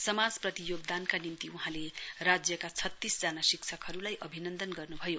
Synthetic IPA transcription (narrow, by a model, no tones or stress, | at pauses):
sʌmad͡zprʌt̪ijoɡ̚d̪ankanimt̪iuɦãlerad͡zjʌkat͡sʰʌt̪ːisd͡zanasiksʰʌkɦʌɾulajʔʌbʱinʌnd̪ʌnɡʌrnubʱʌjo